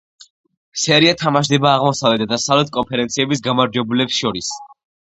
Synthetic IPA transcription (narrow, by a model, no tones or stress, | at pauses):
sɛɾiat̪ʰamaʃ̬d̪ɛbaːʁmɔsavlɛd̪ad̪asavlɛt̪̚ʰkʼɔmpʰɛɾɛnt̪sʰiɛbisɡamaɾd͡ʒɛbulɛpsʃɔɾis